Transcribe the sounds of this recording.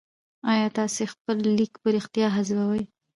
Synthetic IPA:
ɑjɑt̪ɑsexpəlːikpəɾɪxt̪ijɑɦazbawəj

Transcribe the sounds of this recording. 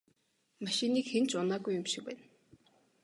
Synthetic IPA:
maʃɪ̆niːkxent͡ɕʊnaːɡujːʊmʃɪ̥k̚pæ̰ːn

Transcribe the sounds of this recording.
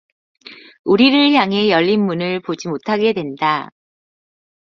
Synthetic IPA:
uɾiɾɯɭjaŋe̞jʌʎːinmunɯɭpod͡ʑimotʰaɡe̞dwe̞nda

